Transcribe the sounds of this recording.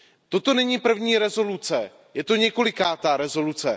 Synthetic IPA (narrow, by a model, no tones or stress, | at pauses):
t̪o̞t̪o̞nɛɲiːpr̩vɲiːɾɛzo̞lut͡sɛ | jɛt̪o̞ɲɛko̞lɪkaːt̪aɾɛzo̞lut͡sɛ